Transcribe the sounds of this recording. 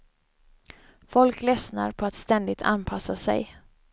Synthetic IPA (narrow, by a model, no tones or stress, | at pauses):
fɔlklɛsna̰ɾpʰɔat̪st̪ɛnd̪ɪt̪ʰa̰npʰasasɛ̰j